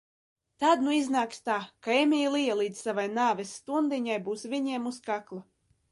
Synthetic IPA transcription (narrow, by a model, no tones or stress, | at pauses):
t̪ad̪nuiznaːkst̪aːkaemʲiːlˠijalˠiːd̪ssavajnaːvʲɛsːt̪und̪iɲajbuːsvʲiɲiɛmuskaklˠa